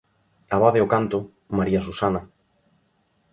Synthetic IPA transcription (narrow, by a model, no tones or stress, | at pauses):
aβaðeokant̪o | maɾiasusana